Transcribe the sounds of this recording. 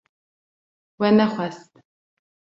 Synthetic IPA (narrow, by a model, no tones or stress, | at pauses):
wɛnɐχʷɐst̪